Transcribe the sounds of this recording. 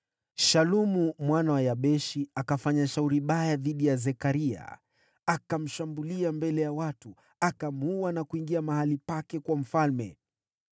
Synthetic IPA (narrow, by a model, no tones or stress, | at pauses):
ʃalumumwanawajaɓɛʃiakafaɲaʃauɾiɓajaðiɗijazɛkaɾia̰ | akam̩ʃambuliambɛlɛjawatu | akamuwanakuiŋɡiamahalipakɛkwam̩falmɛ̰